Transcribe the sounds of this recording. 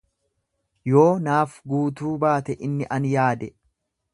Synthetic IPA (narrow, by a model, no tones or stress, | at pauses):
jo̞ːnaːfɡuːt̪uːbaːt̪ɛʔɪnːɪʔɐnjaːd̪ɛ